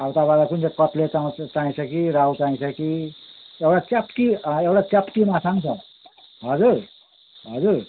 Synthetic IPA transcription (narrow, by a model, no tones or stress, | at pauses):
awt̪abalakund͡zekʌt̪let͡saw̃t͡sãĩsʰʌkiɾaut͡sãĩsʰʌki | ewɽat͡sapt̪iewɽat͡sapt̪imasãŋt͡sʰʌ | ɦʌd͡zuɾ | ɦʌd͡zuɾ